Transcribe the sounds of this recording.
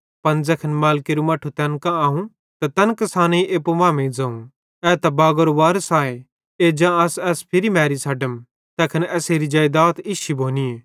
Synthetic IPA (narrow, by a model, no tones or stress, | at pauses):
pɐnd͡zɛːkʰənmaːlkiɾumɐʈʰut̪ɛːnkãaːɦũ | t̪ɐt̪ɛnkɐsaːneiʔeːpoʋãːmẽd͡zɐːũ | ɛːt̪ɐbaːɡəɾoʋaːɾəsaːe | eːd͡ʒãːɐsɛːspʰɪɾimɛːɾisʰɐɖəm | t̪ɛːkʰənɛːseːɾid͡ʒaːjd̪aːt̪ɪʃibʱoːnieː